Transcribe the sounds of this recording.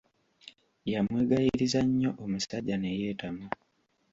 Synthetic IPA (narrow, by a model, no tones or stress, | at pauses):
jamweːɡajiɾizaɲːo̞ʔomusaɟanejeːtamu